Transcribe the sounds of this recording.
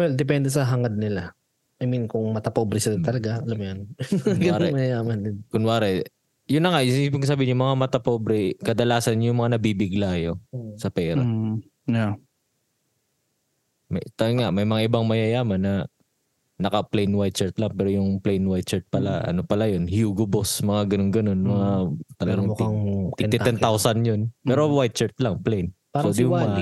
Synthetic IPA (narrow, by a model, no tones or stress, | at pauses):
wɛld̪ɛp̬ɛnd̪ɛsɐɦɐŋɐd̪̚nɪla | ʔɐjminkʊŋmɐt̪ɐpoːbɾɛsɪlat̪ɐlɐɡaɐlɐmʊjon | ɾɛmɐjɐjaːmɐnd̪ɪd̪kʊnwaːɾɛ | jʊnːɐŋaʔjbiŋsɐbiːɪnɲjʊŋmɐŋamɐt̪ɐpobɾɛkɐd̪ɐlaːsɐnjʊŋmɐŋanɐbiːbɪɡlaːjosɐpɛːɾɐ̰ | a | mɐjt̪ɐŋaʔmɐjmɐŋaʔɪbaŋmɐjɐjaːmɐnɐ | nɐkɐplɛjnwajt̪̚t͡ʃɛɹt̪lɐŋpɛːɾojʊŋplɛjnwajt̪t͡ʃɛɹt̪̚pɐlaʔɐ̰nopɐlajonhjuɡobosmɐŋaɡɐnonɡɐno̞nmɐŋat̪ɐlɐɡaŋt̪ɪɪɛnt̪awsɐnjonpɛːɾowajt̪̚t͡ʃɛɹt̪lɐŋplɛjn | pwɛd̪ɪmom